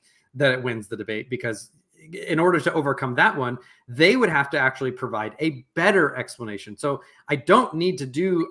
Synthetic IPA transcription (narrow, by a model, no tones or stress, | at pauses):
ðɨɾɨt̚wɪ̃nzðɨdɨbeɪt̚b̥ɨkʰʌz | ɪ̃ñɔɹɾə˞ɾɨʔoʊvə˞kʰʌ̃mðəʔ̚wʌ̃n | ðeɪwəɾ̚ɦæftɨæk̚t͡ʃul̩ˠipʰɹ̥ɨvaɪɾɨb̥ɛɾə˞ʔɛkspləneɪʃɨ̃n̩soʊ | aɪdõʊ̃nːid̚tɨdɨ